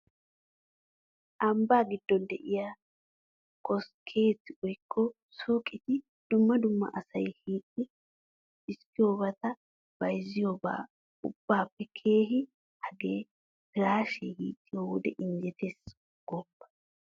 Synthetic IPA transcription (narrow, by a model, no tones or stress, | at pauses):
ʔɐmbaːɡɪd̪ːɔnd̪ɛʔɪjaː | kʰɔskʰe̞ːt̪ːɪʔɔjkʰːɔ | suːkʼːɪt̪ɪ | d̪̥ʊmːɐd̪ʊmːɐ̰ʔɐsɐjhiːkʼːɪ | ɪskɪjo̞ːbɐt̪ɐ | bɐjzɪjoːba̰ː | ʊ̰b̥ːaːpːɛkʰe̞ːɦɪ | hɐɡeː | pɪɾaːʃḛhḭːtʼːɪjoːwɔd̪ɛʔɪnd͡ʒɛt̪ʰes | ɡ̥ɔbːɐ̥